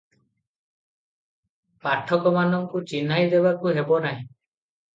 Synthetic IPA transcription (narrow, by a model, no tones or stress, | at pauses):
paʈʰːɔkɔmanɔŋkut͡ʃinajd̪eβakuɦebɔnaɦĩ